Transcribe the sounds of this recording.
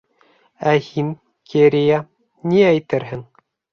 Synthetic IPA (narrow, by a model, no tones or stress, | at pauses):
æhin | kʰeɾija | niæjt̪ɘɾɦɘŋ